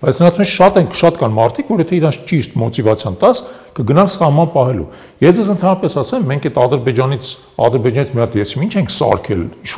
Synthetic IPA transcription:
b̥ɑjt͡sʰnəɾɑt̪ʰɛt͡ʃʰʃɑt̪ɛŋkʰʃɑt̪kɑnmɑɾt̪ʰikvɔɾɔhɛt̪ʰɛiɾɑnt͡sʰt͡ʃiʃt̪mɔt̪ivɑt͡sʰjɑnt̪ɑs | kəɡənɑlsɑhmɑnpɑɦɛlṵ | jɛsd͡zɛzənt̪ʰɑnɾɑpɛsɑsɛmːɛŋkʰɛt̪ɑd̪əɾbɛd͡ʒɑnit͡sʰ | ɑ̰d̪əɾbɛd͡ʒɑnit͡sʰmiɑt̪jɛsimint͡ʃʰɛŋkʰsɑ̰ɾkʰɛ̰liʃʰ

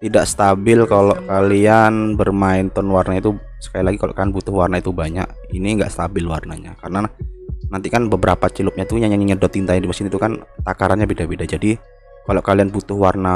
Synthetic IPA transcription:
t̪idaʔsə̥t̪abɪlkaloʔkalianbərmaɪnt̪ɔnwarnait̪u | sə̥kalilaɡikalo̰ʔkalianbut̪ʊhwarnait̪ubaɲa̰ʔ | iniŋɡaʔsə̥t̪abɪlwarna̰ɲa̰kaɾənanant̪ikanbəbəɾapat͡ʃilʊp̚ɲait̪uɲaɲaŋɲiɲədɔt̪int̪ajandimasinit̪ukant̪akaɾanɲabedabedad͡ʒadi | kaloʔkalianbut̪ʊhwarna

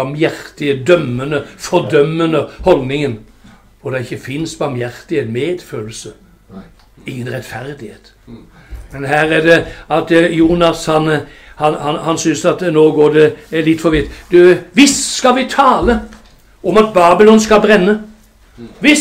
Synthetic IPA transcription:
ɑmjæɾt̪ɪəd̪œmːənəfɔɾd̪œmːənəhɔlnɪŋən | ɔd̪ɛɪçːəfɪnsbɑɾmjæʁt̪ɪhenmeːd̪føːll̩sə | ɪŋːənʁɛt̪fæɾd̪ɪheːt̪ | mɛnɦæːɾæd̪ɛɑt̪juːnɑshɑnhɑnhɑnhɑnsʏnsɑt̪noːɡoːɖɛlɪt̪ːfɔʋɪt̪d̪ʉʋɪsskɑlʋɪt̪ʰɑːlə | ɔmɑt̪̚bɑːbɪlɔnskɑlbɾɛnːə | ʋɪ

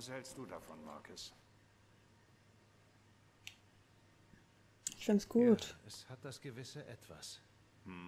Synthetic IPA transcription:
sɛlstd̥uːdafɔnma̰ɐkʰʊs | ɪçfɪnsɡ̥uːtɛshat̚d̥asɡ̥əvɪsəʔɛ̰tv̥a̰s̩

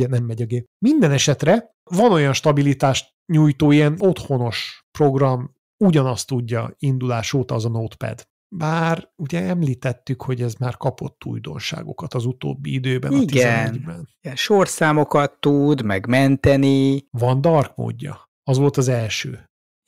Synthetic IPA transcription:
ɛnɛmːɛɟɒɡeːpmind̪ɛnɛʃɛt̪rɛ | vɒno̞jɒnʃt̪ɒbilit̪aːʃt̪ | ɲujt̪oːijɛnot̪ho̞no̞ʃpro̞ɡrɒm | uɟɒnɒst̪uɟːɒ̰ind̪ulaːʃoːt̪ɒːzɒnot̪pɛ̰d̪ | baːruɟɛɛmliːt̪ɛt̪ːykho̞ɟɛzmaːrkɒpo̞t̪ːṵjd̪o̞̰nʃa̰ːɡo̞̰kɒt̪ɒzut̪o̰ːbːḭid̪øːbɛ̰ɒiɡzɛnɛnɟbɛnɛnʃorsaːmo̞kɒt̪ːud̪mɛɡmɛnt̪ɛnivɒnd̪ɒrkmo̰ːɟːɒ̰ | ɒzʋo̞lt̪ɒzɛlʃø̰ː

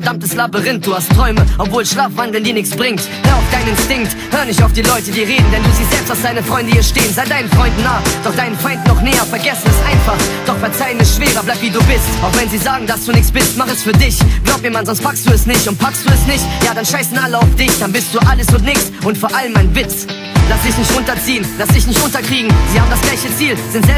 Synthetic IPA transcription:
fɛɐd̥amtəslaːbəʁɪntd̥uːhastʰʁ̥ɔʏməʔɔpvoːlʃlaːfvandl̩ndiːɐnɪçt͡ssb̥ʁɪŋthøɐaʊfd̥aɪnɪnstɪŋk̚t | høːɐnɪçtaʊfd̥iːlɔʏtədiːɐʁeːdn̩dɛnduːziːz̥ɛlpstasd̥aɪnəfʁ̥ɔʏndəiːɐʃteːənzaɪdaɪnənfʁ̥ɔʏndn̩ːaːd̥ɔχd̥aɪnənfaɪntnɔχnɛːɐfɛɐɡɛsn̩ɛsʔaɪnfaχd̥ɔχfɛɐt͡saɪənɪstʃv̥eːʁɐblaɪpviduːbɪstaʊχvɛnziːzaːɡŋ̩d̥asd̥uːnɪçt͡ssb̥ɪstmaχɛsfyːɐdɪçɡ̥laʊp̚miːɐmanz̥ɔnstpʰakstd̥uːɛsnɪçtʊnt̚pʰakstd̥uːɛsnɪçtjaːdanʃaɪsn̩ʔaləaʊfd̥ɪçd̥anbɪst̚d̥uːʔaləsʊntnɪçt͡sʔʊntfoːɐʔaləmːaɪnvɪt͡s | lastd̥ɪçnɪçtʁʊntɐt͡siːənlasd̥ɪçnɪçtʔʊntɐkʁ̥iːɡŋ̩z̥iːhaːbm̩dasɡ̥laɪçət͡siːlz̥ɪntz̥ɛ

